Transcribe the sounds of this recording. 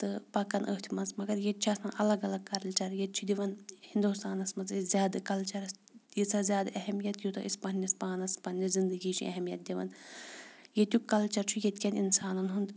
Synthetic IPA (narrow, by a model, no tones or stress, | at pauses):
t̪ɨpɐkːɐnʔə̰ːt̪ʰimɐnzmɐɡɐɾjet̪̚t͡ʃʰiɐsmɐnʔɐlɐɡɐlɐɡ̚kɐɾlʲt͡ʃɐɾjet͡ʃʰid̪ʲiʋɐnhind̪ust̪aːnɐsmɐnzizʲjaːd̪ɨkɐlt͡ʃɐɾɐsjit͡sʰaːzʲjaːd̪aʔɐɦɛmijɐt̪jut̪ɐ̰ʔispɐnʲːɐspaːnɐspɐnʲːɐzind̪ɨɡiːt͡ʃʰiɐ̰ɦɛmijɐt̪̚d̪ʲiʋɐ̰n | jet̪ʲukɐlt͡ʃɐɾt͡ʃʰujet̪ʲkʲɐnḭnsaːnɐnɦund̪